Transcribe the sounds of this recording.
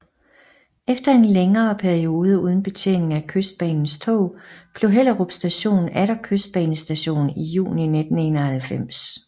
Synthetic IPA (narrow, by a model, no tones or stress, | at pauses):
efd̥ɐe̝nleŋɐːpʰæɐio̝ːð̞ˠəuð̞ˠn̩b̥e̝t͡sʰe̝̰ːne̝ŋækʰøsd̥̚b̥ɛ̰ːnn̩st͡sʰɔ̰ʊb̥le̝ɦel̰ɐʁob̥sd̥æɕo̝̰ːnn̩ʔæɾɐkʰøsd̥̚b̥ɛːnəsd̥æɕo̝̰ːnijṵːnine̝d̥n̩e̝nɐhælfem̰s